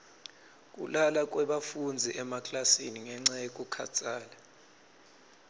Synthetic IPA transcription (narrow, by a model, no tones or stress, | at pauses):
k̬ʼṵlalak̬ʼwɛɓafund͡zʱiʔɛmakʼlasiniŋɛŋ͡ǀajekʼukʰa̰t͡sʰʼaːla